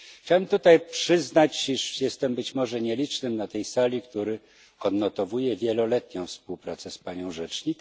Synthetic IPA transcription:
xt͡ɕawɛmt̪ut̪ajpʂɘznat͡ɕiʂjɛst̪ɛmbɘt͡ɕmɔʐɛɲɛlʲit͡ʂnɘmnat̪ɛjsalʲikt̪uɾɘ | ɔd̪nɔt̪ɔvujɛvʲjɛlɔlɛt̪ɲɔ̃w̃fspuwpɾat̪sɛspaɲɔ̃w̃ʐɛt͡ʂɲik

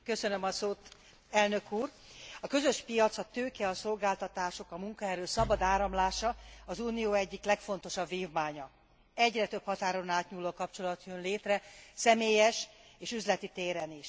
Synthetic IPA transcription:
kø̞sønømɒsoːt̪ | ɛlnø̞kuːr | ɒkø̞zø̞ʃpijɒt̪sɒt̪øːkɛɒso̞lɡaːlt̪ɒt̪aːʃo̞kɒmuŋkɒɦɛɾøːsɒbɒd̪aːɾɒmlaːʃɒɒzuːnijoːɛɟːiklɛkfo̞nt̪o̞ʃɒbviːvmaːɲɒ | ɛɟrɛt̪øphɒt̪aːɾo̞naːt̪ɲuːlːoːkɒpt͡ʃo̞lɒt̪jønleːt̪rɛsɛmeːjɛʃeːʃyzlɛt̪it̪eːɾɛniʃ

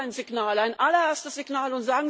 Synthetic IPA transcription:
aɪnzɪɡnaːlaɪnʔalɐeɐstəsz̥iɡnaːlʊntz̥aːɡŋ̩

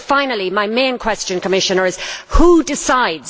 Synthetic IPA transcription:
fãɪ̃nəlˠimaɪmẽɪ̃nkʰw̥ɛst͡ʃə̃nkʰəmɪʃə̃nə˞ɪz̥hudɪsaɪdz̥

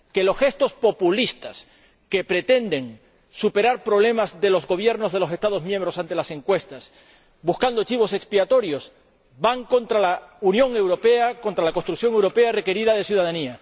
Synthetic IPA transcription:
ke̞lo̞sxe̞st̪o̞spo̞pulist̪as | ke̞pɾe̞t̪e̞nd̪e̞ŋ | supe̞ɾaɾpɾoβle̞mazðe̞lo̞zɣo̞β̞je̞ɾno̞zð̞e̞lose̞st̪aðo̞zmjẽmbɾo̞sant̪e̞lase̞ŋkwe̞st̪as | buskand̪ot͡ʃiβ̞o̞se̞kspiat̪o̞ɾjo̞z | baŋko̞nt̪ɾalaunjõ̞ŋe̞wɾo̞pe̞ako̞nt̪ɾalako̞st̪ɾukθjo̞ŋe̞wɾo̞pe̞are̞ke̞ɾiðað̞e̞sjuðaðania

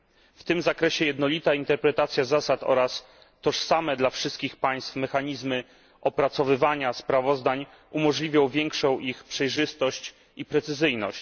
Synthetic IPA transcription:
ft̪ɘmzakɾɛɕɛjɛd̪nɔlʲit̪aint̪ɛɾpɾɛt̪at̪sʲjazasat̪ɔ̰ɾas | t̪ɔʂsamɛd̪lafʂɘst̪kʲixpaj̃st̪fmɛxaɲizmɘ | ʔɔpɾat̪sɔvɘvaɲaspɾavɔzd̪aɲ | umɔʐlʲivʲjɔ̃w̃vʲjɛŋkʂɔ̃w̃ʔixpʂɛjʐɘst̪ɔɕt͡ɕ | ipɾɛt̪sɘzɘjnɔɕt͡ɕ

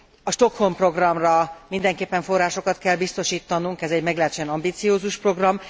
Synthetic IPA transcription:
ɒʃt̪o̞kho̞mpro̞ɡrɒmrɒmind̪ɛŋkeːpːɛɱfo̞rːaːʃo̞kɒt̪kɛlbist̪o̞ʃiːt̪ːɒnuŋkɛzɛɟmɛɡlɛt͡ʃɛnɒmbiːt̪sijoːzuʃpro̞ɡrɒm

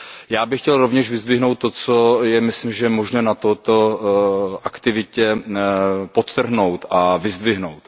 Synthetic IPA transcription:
jaːbɪxcɛlɾovɲɛʒvɪzdvɪɦno̞wt̪̚ːo̞t͡sojɛmɪslɪmʒɛmoʒnɛːnat̪ot̪o | ʔakt̪ɪvɪcɛ | pot̪ːr̩ɦno̞wt̪ʔavɪzd̪vɪɦnowt̪

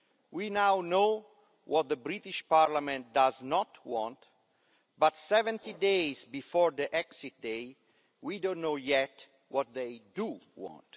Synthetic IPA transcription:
winawno | wɔt̪̚d̪əbɾit̪iʃpaɾlamɛ̃nt̪̚d̪aznɔt̪wɔ̃nt̪ | bat̪sɛvɛ̃nt̪idejzbifɔɹd̪iʔɛksit̚d̪ej | widõnːojɛt̪ | wɔt̪̚ðejduwɔ̰̃nt

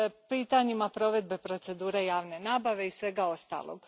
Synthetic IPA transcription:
piːt̪aɲimapɾo̞ʋe̞d̪̚be̞pɾo̞t̪se̞d̪uːɾe̞jaːʋne̞naːbaʋe̞isʋe̞ɡao̞st̪a̰lˠo̰ɡ

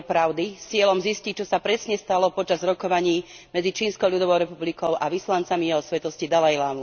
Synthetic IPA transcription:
pɾaʊd̪isɪɛlɔmziscic̚t͡ʃɔsapɾɛsɲɛst̪alɔpɔt͡ʃazɾɔkɔʋaɲiː | mɛd͡zit͡ʃiːnskɔʊʎud̪ɔʋɔʊɾɛpublikɔʊʔaʋislant͡samijɛɦɔsʋɛt̪ɔscid̪alajlaːm

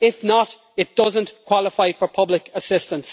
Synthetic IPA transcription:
ɪfnəɾ | ɪt̚d̥ʌzə̃nkʰw̥ɑlɪfaɪfə˞pʰʌblɪkəsɪstə̃ns

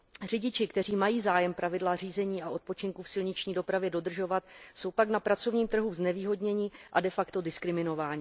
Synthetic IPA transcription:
r̝ɪɟɪt͡ʃɪkt̪ɛr̝iːmajiːzaːjɛmpɾavɪdlar̝iːzɛɲiːaʔo̞t̪̚po̞t͡ʃɪŋkufsɪlɲɪt͡ʃɲiːdo̞pɾavjɛdo̞d̪r̩ʒo̞vat̪so̞wpaknapɾat͡so̞vɲiːmt̪r̩ɦuznɛviːɦo̞dɲɛɲɪʔadɛfakt̪o̞dɪskɾɪmɪno̞vaːɲiː

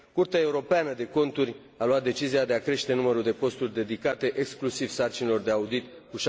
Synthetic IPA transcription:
kurt̪eae̞uɾo̞peanəd̪e̞ko̞nt̪uɾʲ | aluat̪̚d̪e̞t͡ʃiziad̪e̞akɾe̞ʃt̪e̞numəɾuld̪e̞po̞st̪urʲd̪e̞d̪ikat̪e̞ʔeksklusiv̥sart͡ʃinilo̞rd̪e̞aud̪it̪ | kuʃ

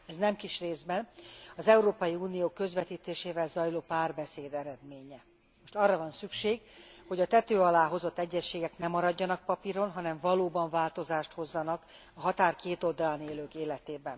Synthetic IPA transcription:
ɛznɛmkiʃreːzbɛnɒzɛuɾoːpɒjiuːnijoːkø̞zvɛt̪iːt̪eːʃeːvɛlzɒjloːpaːrbɛseːd̪ɛɾɛd̪meːɲɛ | moʃt̪ɒrːɒvɒnsykʃeːɡho̞ɟɒt̪ɛt̪øːɒlaːɦo̞zo̞t̪ːɛɟːɛʃːeːɡɛknɛmɒɾɒɟːɒnɒk̚pɒpiɾo̞nɦɒnɛɱvɒloːbɒɱvaːlt̪o̞zaːʃt̪ho̞zːɒnɒk | ɒɦɒt̪aːrkeːt̪o̞ld̪ɒlaneːløːkeːlɛt̪eːbɛn

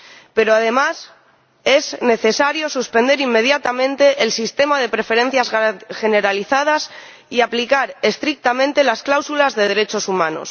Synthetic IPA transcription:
pe̞ɾoað̞e̞mas | e̞zne̞θe̞saɾjosuspe̞nd̪e̞ɾimːe̞ð̞jat̪amẽ̞nt̪e̞ʔːlsist̪e̞mað̞e̞pɾe̞fe̞ɾe̞n̟θjasxe̞ne̞ɾaliθað̞as | iaplikaɾe̞st̪ɾik̚t̪amẽ̞nt̪e̞lasklawsulazðe̞ð̞e̞ɾe̞t͡ʃo̞sumãno̞̰s

